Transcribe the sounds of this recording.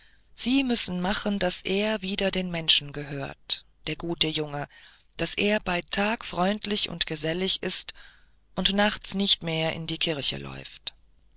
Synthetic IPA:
z̥iːmʏsn̩maχənd̥asʔeːɐviːdɐdeːnmɛnʃn̩ɡəɦøːɐtd̥eːɐɡuːtəjʊŋə | d̥asʔeːɐbaɪtʰaːkfʁ̥ɔʏntlɪçʊ̰ntɡ̥əzɛlɪçɪst | ʔʊntnaχt͡snɪçtmeːɐʔɪ̰ndiːkʰɪɐçə̰lʔɔ̰ʏft

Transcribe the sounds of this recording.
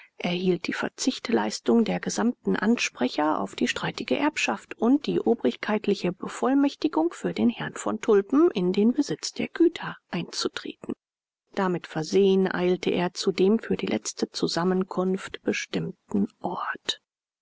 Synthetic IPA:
ʔeːɐhiːlt̚d̥iːfɛ̰ɐt͡sɪçtlaɪstʊŋdeːɐɡəzamtn̩ʔa̰nʃpʁ̥ɛçɐʔa̰ʊfd̥iːʃtʁ̥aɪtɪɡəʔɛɐpʃaftʔʊnt̚d̥iːʔoːbʁɪçkʰaɪtʰlɪçəbəfɔlmɛçtɪɡʊŋfyːɐdeːnhɛɐnfɔ̰ntʰʊlpm̩ʔɪndeːnbəzɪt͡sd̥eːɐɡ̥yːtʰɐʔaɪnt͡sutʁ̥ḛːtn̩ | d̥amɪtfɛɐzeːənʔa̰ɪltəʔḛːɐt͡sudeːmfyːɐdiːlʔɛ̰t͡stət͡suzamənkʰʊnftb̥əʃtɪmtn̩ʔɔɐt

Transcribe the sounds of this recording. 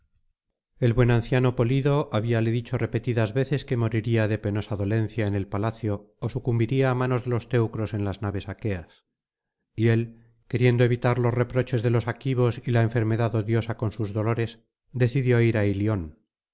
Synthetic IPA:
e̞lβwe̞nanθjano̞po̞liðoʔaβialeðit͡ʃo̞re̞pe̞t̪iðazβe̞θe̞ske̞mo̞ɾiɾiaðe̞pe̞no̞saðo̞le̞nθjaene̞lpalaθjo̞ː | sukumbiɾiaːmano̞zðe̞lo̞st̪e̞wkɾo̞se̞nlaznaβe̞sake̞as | ie̞l | ke̞ɾje̞nd̪oe̞βit̪aɾlo̞sre̞pɾo̞t͡ʃe̞zðe̞lo̞sakiβ̞o̞silaeɱfe̞ɾme̞ðaðo̞ðjo̞sako̞nsuzðo̞lo̞ɾe̞s | d̪e̞θiðjo̞iɾailjo̞n

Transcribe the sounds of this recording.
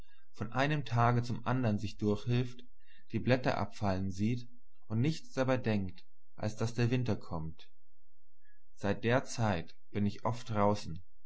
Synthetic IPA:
fɔnʔaɪnəmtʰaːɡət͡sʊmʔa̰ndɐnzɪçd̥ʊɐçhɪlft | d̥iːblɛtɐ̰ʔa̰pfalənziːt | ʔʊntnɪçt͡sd̥abaɪdɛŋkt | ʔa̰lsd̥asd̥eːɐvɪntɐkʰɔmt | z̥aɪt̚d̥eːɐt͡saɪt | b̥ɪnɪçʔɔft̚d̥ʁaʊsn̩

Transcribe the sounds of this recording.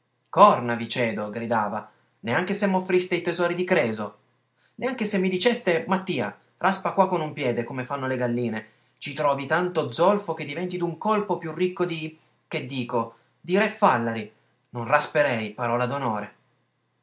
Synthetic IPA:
kɔrnavit͡ʃɛːd̪oɡɾid̪aːva | neaŋk̟esemːofːɾist̪eit̪ezɔːɾid̪ikɾɛːzo | neaŋk̟esemːid̪it͡ʃɛst̪emat̪ːiːa̰ | rʔaspakwakːonumpjɛːd̪ekomefanːoleɡalːiːne | t͡ʃit̪ɾɔːvit̪ant̪od̪zːɔlfoked̪ːivɛnt̪id̪uŋkolpopjurːikːod̪i | k̟ed̪ːiːko | d̪iɾɛfalːaɾi | nonraspeɾɛjpaɾɔːlad̪onoːɾe

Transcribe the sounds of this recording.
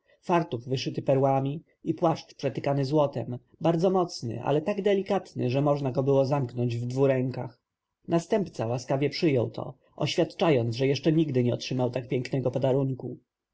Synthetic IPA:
faɾt̪uvvɘʂɘt̪ɘpɛɾwamʲi | ipwaʂt͡ʂpʂɛt̪ɘkanɘzwɔt̪ɛm | baɾd̪zɔmɔt̪snɘ̰ʔa̰lɛt̪aɡd̪ɛlʲikat̪nɘ̰ʐɛmɔʐnaɡɔbɘwɔzamknɔɲd͡ʑvd̪vuɾɛŋkax | nast̪ɛmpt̪sawaskavʲjɛpʂɘjɔwt̪ʰɔ̰ | ɔɕfʲjat̪t͡ʂajɔnt̪sʐɛjɛʂt͡ʂɛɲiɡd̪ɘɲɛɔtʂɘmawt̪ak̚pʲjɛŋknɛɡɔpɔd̪aɾuŋku

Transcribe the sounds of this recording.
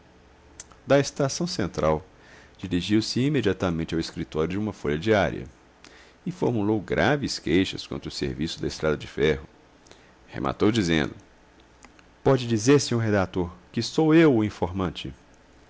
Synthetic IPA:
d̪ɐest̪asɐ̃w̃sẽnt̪ɾaw | d͡ʒiɾiʒiwsɪimed͡ʒiat̪ɐmẽt͡ʃɪaweskɾit̪ɔɾjʊd͡ʒɪũmɐfoʎɐd͡ʒiaɾiɐ̰ | ɪfoɾmulowɡɾʔavɪskejʃɐskõt̪ɾʊsḛɾvisʊd̪ɐest̪ɾad̪ɐd͡ʒɪfɛɦʊ | hḛmʔa̰t̪owd͡ʒizḛ̃nd̪ʊ | pɔd͡ʒɪd͡ʒizeɾsɪ̃ɲoɾɦed̪at̪oɾkɪsowewʊĩfoɾmɐ̃nt͡ʃɪ

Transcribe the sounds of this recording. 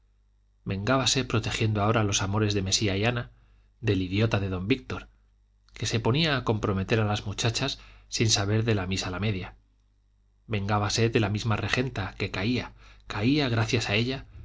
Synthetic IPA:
be̞ŋɡaβase̞pɾo̞t̪e̞xjend̪oao̞ɾalo̞samo̞ɾe̞zðe̞me̞siaiana | ðe̞liðjo̞t̪aðe̞ðo̞mbik̚t̪o̞ɾ | ke̞se̞po̞niaːko̞mpɾo̞me̞t̪e̞ɾalazmut͡ʃat͡ʃasːinsaβ̞e̞ɾðe̞lamisalame̞ðja | be̞ŋɡaβase̞ðe̞lamizmare̞xe̞nt̪ake̞kaiakaiaɣ̞ɾaθjasae̞ʎa

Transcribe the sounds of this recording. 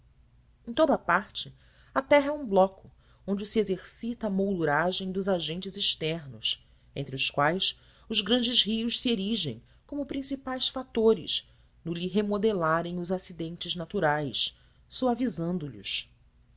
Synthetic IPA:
ẽt̪od̪ɐapaɾt͡ʃɪ | ɐt̪ɛɦɐɛũblɔkʊ̥ | õnd͡ʒɪsiezeɾsit̪ɐːmowd̪uɾaʒẽj̃d̪ʊzaʒẽnt͡ʃɪzɪʃt̪ɛɾnʊs | ẽnt̪ɾɪʊskwajs | ʊzɡɾɐ̃nd͡ʒɪzɦiʊʃsieɾiʒḛ̃j̃ | kõmʊpɾĩsipajsfat̪oɾɪ̰ʃ | nʊliɦemod̪elaɾẽj̃ʊzasid̪ẽnt͡ʃɪznat̪uɾajs | soavizɐ̃nd̪ʊlʊ̰s

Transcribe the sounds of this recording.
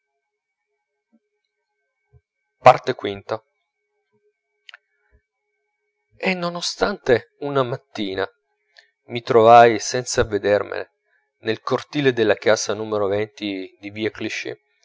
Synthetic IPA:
part̪ekwint̪a | enːonost̪ant̪e | unamat̪ːiːna | mit̪ɾovajsɛnt̪saved̪ermḛnḛ | nelkort̪iːled̪elːakaːsanuːmeɾovɛnt̪id̪ibiakliʃḭ

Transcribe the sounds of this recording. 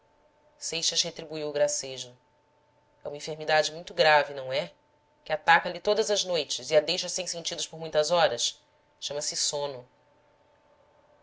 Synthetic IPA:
sejʃɐzhet̪ɾibuiwʊɡɾaseʒʊ | ɛũmɐĩfeɾmid̪ad͡ʒɪmũj̃t̪ʊɡɾavinɐ̃w̃ɛ | kɪat̪akɐlit̪od̪ɐzɐznojt͡ʃɪziad̪ejʃɐsẽj̃sẽnt͡ʃid̪ʊʃpoɾmũj̃t̪ɐzɔɾɐʃ | ʃɐ̃mɐsɪsõnʊ

